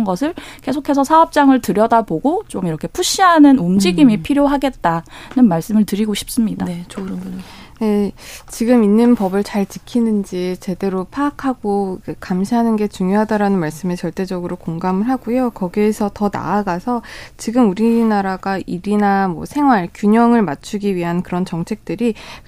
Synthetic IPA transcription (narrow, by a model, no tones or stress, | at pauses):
nɡʌsʰɯɭke̞sʰokʰe̞sʰʌsʰaʌp̚t͡ɕ͈aŋɯɭtɯɾjʌdaboɡot͡ɕomiɾʌkʰe̞pʰuɕ͈iɦanɯnumd͡ʑiɡimipʰiɾjoɦaɡe̞t̚t͈anɯnmaɭs͈ɯmɯɭtɯɾiɡoɕʰi̥p̚s͈ɯmɲiddae | e̞t͡ɕiɡɯminːɯnpʌbɯɭt͡ɕaɭt͡ɕi̥kʰinɯnd͡ʑit͡ɕe̞de̞ɾopʰaːkʰaɡ̥oikekamɕʰiɦanɯnɡe̞t͡ɕuŋjoɦadaɾanɯnmaɭs͈ɯmet͡ɕʌɭt͈e̞d͡ʑʌɡɯɾokoŋɡamɯɭɦaɡujokʌɡiesʰʌtʌna̰aɡasʰʌt͡ɕiɡɯmuɾinaɾaɡaiɾinamwʌ̰sʰe̞ŋɦwaɭkjuɲʌŋɯɭmat͡ɕʰuɡiɥiɦankɯɾʌnt͡ɕʌŋt͡ɕʰe̞k̚t͈ɯɾi